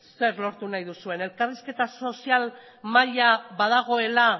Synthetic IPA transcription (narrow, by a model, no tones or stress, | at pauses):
se̞ɾlo̞ɾt̪unajðusue̞ne̞lkariske̞t̪aso̞sial | maʎaβaðaɣ̞o̞e̞la